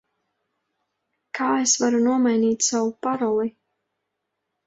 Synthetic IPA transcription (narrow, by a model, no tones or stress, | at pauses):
kʰaːesvaɾunuɔmajniːt̪ʲsawupaɾɔlˠi